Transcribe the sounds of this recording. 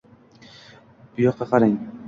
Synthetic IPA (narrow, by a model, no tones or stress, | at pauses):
b̥ʊjɒq̚qːɑqʰɑɾaŋ